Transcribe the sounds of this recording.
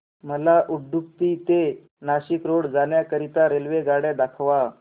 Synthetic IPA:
məlaʔud̪ʱup̚t̪iːt̪e | naɕikɾoɽd͡zaɳjakəɾit̪aɾelʋeɡaɽad̪akʰʋa

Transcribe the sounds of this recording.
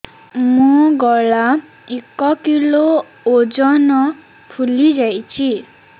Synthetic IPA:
mɔɡɔɭa | ekɔkilo | od͡zɔnʌ | pʰulid͡zajt͡ɕʰi

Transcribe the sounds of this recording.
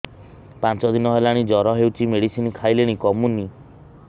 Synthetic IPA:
pant͡ʃɔd̪inɔɦelaɽ̃id͡ʒɔɾɔɦewt͡ʃʰimeɽisinkʰajleɽ̃ikɔmuni

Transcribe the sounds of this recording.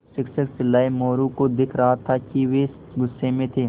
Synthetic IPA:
ʃɪkʃəksɪlːaːimoːɾukod̪ɪkʰɾɐɦat̪ʰakiʋes | ɡʊsːemẽt̪ʰeː

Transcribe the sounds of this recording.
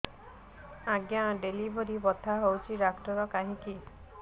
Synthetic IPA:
aɡjaɖelibʱoɾibɔt̪ʰaɦowt͡ʃʰiɾakʈɔɾɔkaɦĩki

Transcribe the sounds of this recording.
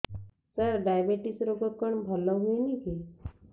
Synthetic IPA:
səɾɖajəbeʈisɾoɡəkːəɳbʱəlːəɦueniki

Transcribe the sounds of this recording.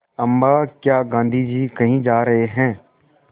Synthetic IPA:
ɐmbaːkjaːɡãːnd̪ʱid͡ʒiːkɐɦĩd͡ʒaːɾɐɦeɦɛ̃ː

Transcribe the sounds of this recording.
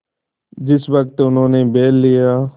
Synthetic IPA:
d͡ʒɪsʋək̚t̪ʊnɦõːneːbeːlːɪjaː

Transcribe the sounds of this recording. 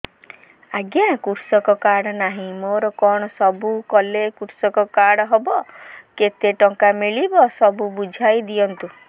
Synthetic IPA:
aɡjãkuɾsɔkɔkaɽɔnaɦĩmoɾɔkɔɽ̃ɔsɔbukɔlekuɾsɔkɔkaɽɔɦɔbɔket̪eʈɔŋkamiɭibɔsɔbubud͡ʒʱajd̪iɔnt̪u

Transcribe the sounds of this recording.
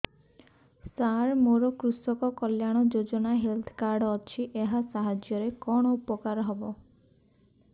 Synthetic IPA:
saɾmoɾɔkɾusɔkɔkɔljaɽ̃ɔd͡ʒod͡ʒɔnaɦelt̪ʰɔ̥kaɾɖɔt͡ʃʰiʔeɦasaɦad͡ʒjɔɾekɔɽ̃ɔupɔkaɾɔɦɔbɔ

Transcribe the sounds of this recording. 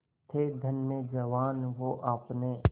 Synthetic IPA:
t̪ʰed̪ʱənːed͡ʒɐʋaːnʋoʔaːpne

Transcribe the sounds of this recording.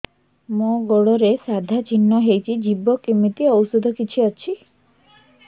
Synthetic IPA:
moɡoɽɔɾesad̪ʱat͡ʃinːɔɦejt͡ʃʰid͡ʒibɔkimit̪iɔwusɔd̪ʱɔkit͡ʃʰiɔt͡ʃʰi

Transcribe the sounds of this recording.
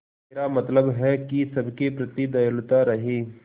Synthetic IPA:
ɾamɐt̪ləbɦɛkisɐbʱkepɾɐt̪id̪ɐjəlt̪aɾɐɦeː

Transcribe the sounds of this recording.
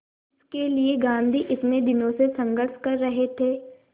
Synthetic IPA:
ɪskelieɡãːnd̪ʱiʔɪt̪nẽd̪ɪnõsesɐ̃ŋɡəɾʃkɐɾːɐɦet̪ʰeː

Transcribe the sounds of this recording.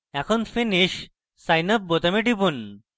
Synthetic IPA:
ɛkʰonfiniɕ | sajnəp̚bot̪amiʈipun

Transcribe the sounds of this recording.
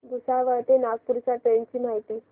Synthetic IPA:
ɡ̪usaʋət̪enaɡ̚puɾsaʈ̪ent͡ɕiːm̤aɦit̪iː

